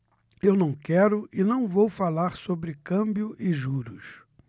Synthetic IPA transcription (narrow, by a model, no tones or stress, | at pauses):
ewnɐ̃w̃kɛɾʊʔɪnɐ̃w̃vowfalaɾsobɾɪkɐ̃mbjʊʔɪʒuɾʊs